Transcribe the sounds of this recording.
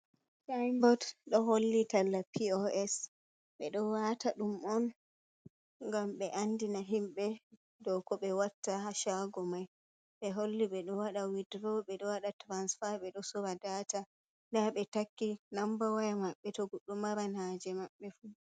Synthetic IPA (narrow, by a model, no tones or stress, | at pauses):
tajmbɔdɗɔɦolːitalːapʰiɔɛs | ɓɛɗɔwataɗumɔn | ŋɡamɓɛʔandinaɦimɓɛ | dɔkɔɓɛwatːaɦaʃaɡɔmaj | ɓɛɦolːiɓɛɗɔwaɗawidɾɔɓɛɗɔwaɗatɾansfaɓɛɗɔsɔɾadata | daɓɛtakːinambawajamaɓːɛtɔɡuɗɔmaɾanad͡ʒɛmaɓːɛfu